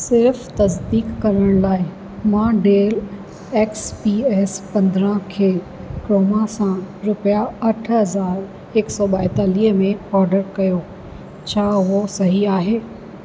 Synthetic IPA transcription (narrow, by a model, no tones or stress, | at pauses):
sɪɾft̪ɐs̬d̪iːkːɐɾəɽ̃laːɪ | mãːɖeːl | eːkspiːɛːspɐ̃nd̪ɾə̃kʰeː | kɾoːmasãɾʊpijaɐʈʰɦɐzaːɾ | eksɔːɓaːɪt̪aːliːɦmẽɔːɾɖəɾkɐjo | t͡ɕʰaːɦʊɦosɐɦiaːɦeː